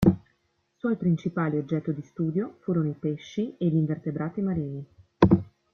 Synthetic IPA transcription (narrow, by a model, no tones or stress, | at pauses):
swɔjpɾint͡ʃipaːliod͡ʒːɛt̪ːod̪ist̪uːd̪jofuːɾonoipeʃːieʎiɱvert̪ebɾaːt̪imaɾiːni